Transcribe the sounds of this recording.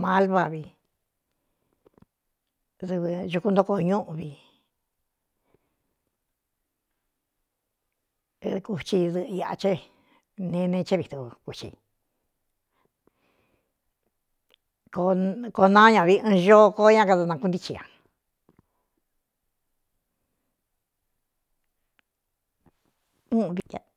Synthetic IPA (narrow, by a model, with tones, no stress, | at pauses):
mã˧˦lβa˧βi˧ | ðu˧βʒu˧ku˧nd̪o˦ko˧˨ɲũ˦ʔũ˧βi˧ | ku˧t͡ʃi˧ðɨ˧ʔa˧˨a̰˧t͡ʃe˦ | nẽ˧˦˧nẽ˧˦t͡ʃe˦βi˧˨t̪u˧ku˨t͡ʃḭ˧ | ko˧ko˧nã˦ɲã˧˨βi˧˦ɨ̃˧ʒo˦˧ko˦ɲã˦ka˧ða˧nã˧ku˦nd̪i˧t͡ʃi˧ã̰˨ | ũ˦˧βi˧a˧